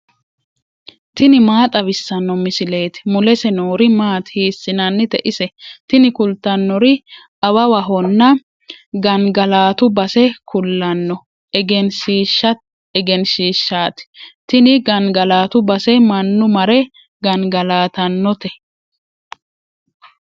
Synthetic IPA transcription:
t̪ɪnɪmaːt̪ʼɐβɪsːɐnːɔmɪsɪle̞ːt̪ɪ̥mʊlɛsɛnoːɾɪmaːt̪hiːsːɪnɐnːɪt̪ɛ̰ʔɪsɛt̪ɪnɪkʊlt̪ːɐnːɔɾɪ | ʔɐwɐwɐɦɔnːɐ | ɡɐnɡɐlaːt̪ʊbɐsɛkʰʊlːɐnːɔ | ɛɡɛnʃiːʃːɐ | ɛɡɛnʃiːʃːaːt̪ɪ̥t̪ɪnɪɡɐŋɡɐlaːt̪ʊbɐsɛmɐnːʊmɐɾɛ | ɡɐŋɡɐlaːt̪ɐnːɔt̪ɛ

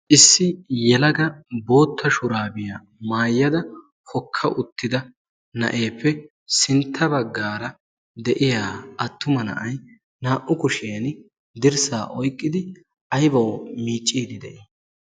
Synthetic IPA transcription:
ʔɪsːɪjɛlɐɡɐbo̞ːt̪ʰːɐʃʊɾaːbɪja | maːjːɐd̪ɐ | hɔkʰːɐʔʊt̪ːɪd̪ɐ | nɐ̰ʔeːpʰːɛ | sɪnt̪ʰːɐbɐɡːaːɾɐ | d̪ɛʔɪjaːɐt̪ːʊmɐnɐ̰ʔɐj | naːʔʊkʊʃeɐn | d̪ɪɾsaːʔɔjkʼːɪd̪ɪ | ʔɐjbɐwmiːt͡ʃʼːiːd̪ɪd̪ɛ̰ʔiː

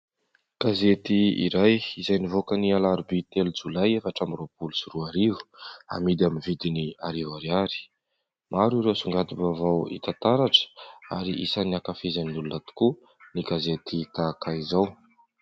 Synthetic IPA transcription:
ɡ̥azet̪iḭɾajizajnivokənialaɾbit̪elud͡zulajefaʈ͡ʂamiropulusiruaɾivu̥a̰mid̪aminvid̪iniaɾivaɾiaɾi̥ | mʔaɾiɾewsuŋɡad̪ibavawḭt̪at̪aɾaʈ͡ʂə̥a̰ɾiʔisanakafizaninulunat̪u̥ku | niɡazet̪ʰit̪akaizaw

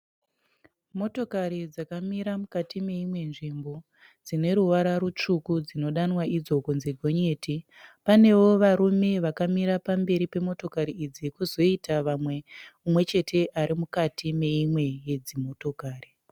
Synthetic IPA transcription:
mo̞to̞kaɾid͡zakamiɾamukatime̞imwe̞nʐimbo̞ | d͡zine̞ɾuʋaɾaɾut͡ʂukud͡zino̞ɗanwaʔid͡zo̞konzeɡʱo̞ɲe̞ːti | pane̞ʋo̞ʋaɾume̞ʋakamiɾapambe̞ɾipe̞mo̞to̞kaɾiid͡zikuzo̞itaʋamwe̞umwe̞t͡ʃe̞tʰe̞ʔaɾimukatʰime̞imwe̞jed͡zimo̞to̞kaːri

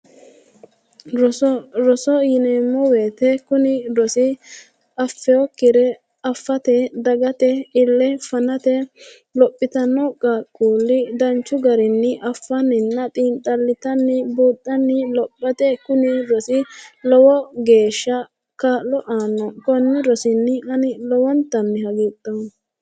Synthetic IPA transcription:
ɾɾɔsɔjɪnɛmːɔweːt̪ɛkʊnɪɾɔsɪ | ɐfːɛɔkːɪɾɛ | ɐfːɐt̪ɛd̪ɐɡɐt̪ɛɪlːɛfɐnɐt̪ɛ | lɔpʼːɪt̪ɐnɔkʼːɐkʼːuːlːɪd̪ɐnt͡ʃːʊɡɐɾɪnːɪʔɐfːɐnɪnːɐt̪ʼiːnt̪ʼːɐlːɪt̪ɐnːɪbuːt̪ʼːɐnːɪlɔpʼːɐt̪ɛkʊnɪɾɔsɪlɔwɔɡe̞ːʃːɐ | kɐlɔʔaːnːɔkɔnːɪɾɔsɪnːɪʔɐnɪlɔwɔnt̪ːɐnːɪhɐɡiːt̪ʼːɐ

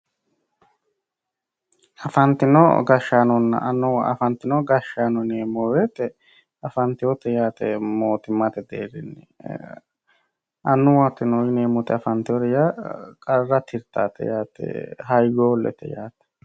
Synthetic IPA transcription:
ɐfɐnt̪ɪnɔ̰ɡɐʃaːnɔnːɐ̰ʔɐnːʊɐ̰fɐnt̪ɪnɔɡɐʃːaːnɔneːmɔwet̪ɛ | ɐfɐnt̪ɪjɔt̪ɛjaːt̪ɛ̰moːt̪ɪmːɐt̪ɛd̪ḛːɾɪnːɛ | ɐnːʊwat̪ːɪnɔjɪneːmʊt̪ɛɐfɐnt̪ɪɔɾɛjakʼɐrːɐt̪ʰɪɾt̪aːt̪ɛ̰jaːt̪ɛ̰ɦɐjɡoːlːɛ̰t̪ɛ̰jaːt̪ɛ̥

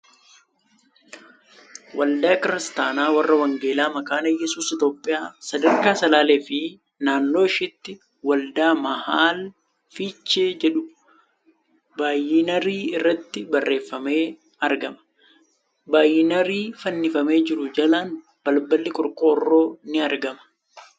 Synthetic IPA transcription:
wɐld̪aːkɪɾɪst̪aːnaːwɐrːɐwɐŋɡe̞ːlaːmɐkaːnɐjɛsuːsɪt̪o̞ːpʼːɪjaːsɐd̪ɐɾkaːsɐlaːle̞ːfɪ | naːnːo̞ːɪʃɪt̪ːɪ | wɐld̪aːmɐhaːl | fiːt͡ʃːeːd͡ʒɛᶑʊ | baːjɪnɐɾiːɪrːɐt̪ːɪbɐrːe̞ːfːɐme̞ː | ɐɾɡɐmɐ̥ | baːjɪnɐɾiːfɐnːɪfɐme̞ːd͡ʒɪɾʊd͡ʒɐlan | b̥ɐlbɐlːɪkʼɔɾkʼo̞ːrːo̞ːnɪɐɾɡɐmɐ̥

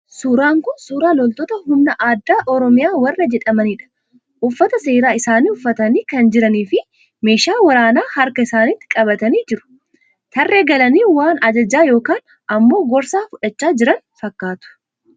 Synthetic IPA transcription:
suːɾaːŋkʊnsuːɾaːlɔlt̪ɔt̪ɐhʊmnɐʔaːd̪ːaːʔɔɾɔmɪjaːwɐrːɐd͡ʒɛᶑɐmɐniːᶑɐ̥ | ʔʊfːɐt̪ɐse̞ːɾaːɪsaːniːʊfːɐt̪ɐniːkɐnd͡ʒɪɾɐniːfɪ | me̞ːʃaːwɐɾaːnaːhɐɾkɐɪsaːnɪt̪ːɪ̥kʼɐbɐt̪ɐniːd͡ʒɪɾʊ̥ | t̪ʰɐrːe̞ːɡɐlɐniːwaːnɐd͡ʒɐd͡ʒaːjo̞ːkaːn | ɐmːo̞ːɡɔɾsaːfʊᶑɐt͡ʃːaːd͡ʒɪɾɐn | fɐkːaːt̪ʊ̥

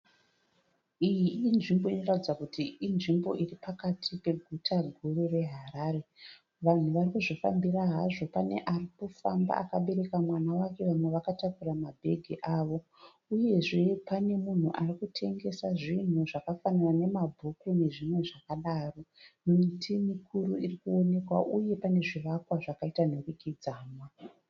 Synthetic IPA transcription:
ijiːnʐimbo̞ino̞ratid͡zakutʰiinʐimbo̞ʔiripakatʰipe̞ɡʱutʰaɡʱurere̞ɦaɾaːɾe̞ | ʋan̤uʋarikuʐofa̰mbiraɦaʐo̞pane̞̰ʔarikufa̰mba̰ʔa̰kaɓe̞ɾe̞kamwanawake̞ʋamwe̞ʋakatakuramabʱe̞̰ɡʱiʔaːʋo̞ | uje̞ʐe̞pane̞mun̤uʔarikutʰe̞ŋɡe̞saʐin̤uʐakafanirane̞mabʱukune̞ʐimwe̞ʐakaɗaːro̞nomitʰimikʰuɾuirikuo̞ne̞kwa̰ʔuje̞pane̞ʐiʋakwaʐakaitanorikid͡zaːmwa

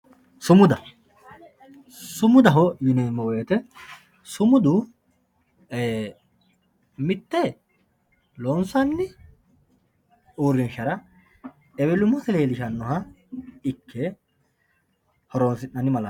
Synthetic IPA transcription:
sʊmʊd̪ɐ | sʊmʊd̪ɐɦɔjʊnɛmːɔwɔjɛt̪ɛ | sʊmʊd̪ʊ | e | mɪt̪ːɛ | lonsɐnːɪ | uːɾːɪnʃɐɾɐ | ɛβɛlʊmːɔsɛleːlɪʃɐnːɔɦɐ | ɪkʰːɛ | hɔɾonsɪnːɐnɪmɐlɐ

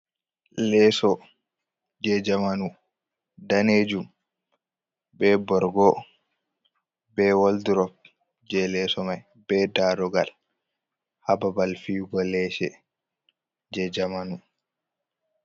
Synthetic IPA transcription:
lɛsɔ | d͡ʒɛd͡ʒamanu | daned͡ʒum | bɛbɔɾɡɔ | bɛwalduɾɔp̚ | d͡ʒɛlɛsɔmaj | bɛdaɾɔɡa̰l | hababalfiːɡɔlɛʃɛ | d͡ʒɛd͡ʒamanu

